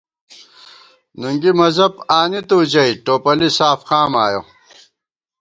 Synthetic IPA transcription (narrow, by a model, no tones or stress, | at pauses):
nuŋɡimɐzɐbaːnit̪uːd͡ʑɐiʈoːpɐlisaːfxaːmaːjo̰